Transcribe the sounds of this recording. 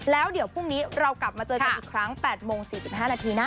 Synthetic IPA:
lɛː˦˥wdi˩˦pʰu˥˩ŋniː˦˥ɾa˧wkla˨˩p̚maː˧t͡ɕɤː˧a˨˧nʔːkʰɾa˦˥ŋpɛː˨˩t̪̚moː˧ŋsiː˨˩si˨˩p̚ɦaː˥˩naː˧t̪ʰiː˧naː˥˩

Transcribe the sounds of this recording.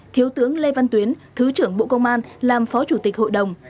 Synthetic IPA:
t̪ʰi˨˦əwt̪ɨ˨˦əŋle˧va˧nt̪wi˨˦ənt̪ʰɨ˨˦t͡ɕɨ˧˩əŋɓo̰˧˨kə˧wŋ͡mʔaː˧nlaː˨˩mfɔ˨˦t͡ɕu˧˩t̪i˨˩k̚ho̰˧˨jɗə˨˩wŋ͡m

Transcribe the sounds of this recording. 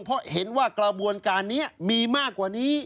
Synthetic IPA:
ŋpʰɔ˦˥ʔhe˩˦nwaː˥˩kla˧bu˧ənkaː˧nːi˦˥ɐmiː˧maː˥˩kːwaː˨˩niː˦˥

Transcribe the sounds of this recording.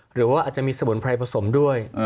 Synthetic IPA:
ɾɯː˩˦waː˥˩ʔaː˨˩t̪̚t͡ɕa˨˩miː˧sa˧mu˩˦npʰɾa˧jpʰa˧so˩˦mdu˥˩əj

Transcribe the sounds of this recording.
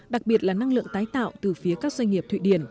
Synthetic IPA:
ɗa˨˩k̚ɓi˨˩ət̚laː˨˩na˧ŋlɨ̰˧˨əŋt̪aː˨˦jt̪a̰ː˧˨wt̪ɨ˨˩fi˨˦əkaː˦˥k̚zwa˧jŋ̟ŋi˨˩əpt̪ʰwḭ˧˨ɗi˧˩ən

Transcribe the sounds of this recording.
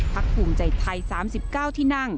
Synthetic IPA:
ppʰa˦˥k̚pʰuː˨˩ŋt͡ɕa˨˩jt̪ʰa˧jsaː˩˦msi˨˩p̚kaː˥˩wt̪ʰiː˥˩na˥˩ŋ

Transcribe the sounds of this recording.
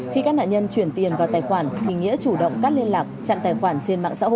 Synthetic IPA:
xi˧kaː˦˥k̚na̰ː˧˨ɲə˧nt͡ɕwi˧˩ənt̪i˨˩ənvaː˨˩wt̪aː˨˩jxwaː˧˩nt̪ʰi˨˩ŋḭ˧˥ət͡ɕu˧˩ɗə̰˧˨wŋ͡mkaː˦˥k̚li˧ənlaː˨˩k̚t͡ɕa̰˧˨ŋt̪aː˨˩jxwaː˧˩nt͡ɕe˧nma̰ː˧˨ŋsa̰ː˧˥ho̰˧˨

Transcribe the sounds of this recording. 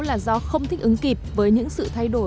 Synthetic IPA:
laː˨˩zɔ˧xə˧wŋ͡mt̪ʰï˦˥k̟̚ʔɨ˨˦ŋki˨˩p̚vəː˨˦jɲɨ̰˧˥ŋsɨ̰˧˨t̪ʰa˧jɗo˧˩

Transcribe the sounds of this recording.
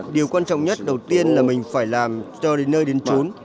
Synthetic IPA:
ɗi˨˩əwkwaː˧nt͡ɕɔ̰˧˨wŋ͡mɲə˦˥t̚ɗə˨˩wt̪i˧ənlaː˨˩mï˨˩ŋ̟faː˧˩jlaː˨˩mt͡ɕɔ˧ɗe˨˦nːəː˧jɗe˨˦nt͡ɕo˨˦n

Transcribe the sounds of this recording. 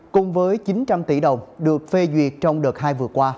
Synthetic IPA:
kʊ˨˩ŋ͡mvəː˨˦jt͡ɕi˨˦nt͡ɕa˧mt̪i˧˩ɗə˨˩wŋ͡mɗɨ˨˩ək̚fe˧zwi˨˩ət̚t͡ɕɔ˧wŋ͡mɗəː˨˩t̚ɦaː˧jvɨ˨˩əkwaː˧

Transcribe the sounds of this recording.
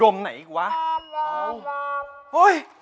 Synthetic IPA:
o˧mna̰˨˧˩jkwaː˨˦˧ | ho˧˦j

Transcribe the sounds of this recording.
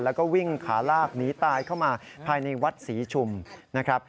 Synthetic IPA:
lɛː˦˥wkɔː˥˩wi˥˩ŋkʰaː˩˦laː˥˩k̚niː˦˥t̪aː˧jkʰa˥˩wmaː˧pʰaː˧jna˧jwa˦˥t̪̚siː˩˦t͡ɕʰu˧mna˦˥kʰɾa˦˥p̚

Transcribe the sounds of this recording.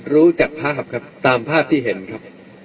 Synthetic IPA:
ɾuː˦˥t͡ɕa˨˩k̚pʰaː˥˩p̚kʰa˦˥p̚t̪aː˧mpʰaː˥˩p̚t̪ʰiː˥˩ɦe˩˦nkʰɾa˦˥p̚

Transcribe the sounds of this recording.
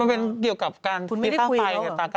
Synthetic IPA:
a˧pe˧nki˨˩əwka˨˩p̚kaː˧n˧i˦a˥˧a˧jna˧˩aː˧˩ka˧

